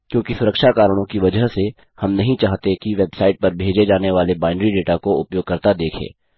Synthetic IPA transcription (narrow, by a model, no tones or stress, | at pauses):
kjõːkisʊɾəkʃakaːɾəɽ̃õkiʋɐd͡ʒəɦse | hɐmnɐɦĩt͡ʃaːɦt̪ekiʋeːbsaːɪʈ̚pɐɾbʱeːd͡ʒed͡ʒaːneʋaːlebaːɪnɖɾiɖeːʈakoʊpjoːɡ̚kɐɾt̪ad̪eːkʰḛː